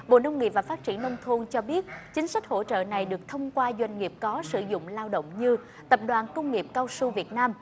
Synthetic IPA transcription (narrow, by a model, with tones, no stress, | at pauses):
ɓo̰˧˨nə˧wŋ͡mŋḭ˨˩p̚vaː˨˩faː˦˥t̚t͡ɕḭ˧˩ənːə˧wŋ͡mt̪ʰu˧əŋt͡ɕɔ˧ɓi˦˥ət̚t͡ɕï˨˦ŋ̟sa˦˥k̟̚ho̰˧˥t͡ɕə̰ː˧˨na˨˩jɗɨ˨˩ək̚t̪ʰə˧wŋ͡mkwaː˧zwa˧jŋ̟ŋi˨˩əp̚kɔ˨˦sɨ˧˩zʊ̰˧˨ŋ͡mlaː˧wɗə̰˧˨wŋ͡mɲɨ˧ | t̪ə˨˩p̚ɗwaː˨˩nkə˧wŋ͡mŋi˨˩əp̚kaː˧wsu˧vi˨˩ət̚naː˧m